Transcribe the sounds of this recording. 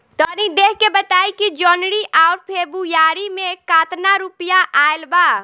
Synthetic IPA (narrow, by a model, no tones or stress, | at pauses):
t̪ɔnid̪ekʰkebət̪aːikid͡ʒɔnɽiʔaʊɾpʰebujaːɾimẽkaːt̪naɾupjaʔaelbaː